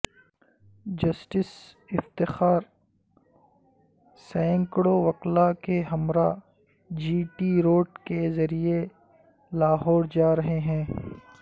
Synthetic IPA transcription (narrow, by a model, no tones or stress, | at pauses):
d͡ʒɐsʈɪs | ɪft̪ɪxaːɾ | sɛ̃ːŋkɽoʋɐqlakeɦɐmɾa | d͡ʒiːʈiɾoːʈkezɐɾie | laːɦɔːɾd͡ʒaːɾɐɦeɦɛ̃ː